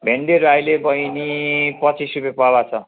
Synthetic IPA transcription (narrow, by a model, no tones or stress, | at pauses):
bʱeɳɖeɾajlebʌjnipʌt͡sisrupepabat͡sʰʌ